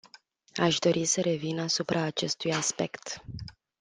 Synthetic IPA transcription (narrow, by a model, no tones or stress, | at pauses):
aʃd̪o̞ɾʔisəɾe̞vinasupɾʔaːt͡ʃe̞st̪ujaspe̞kt̪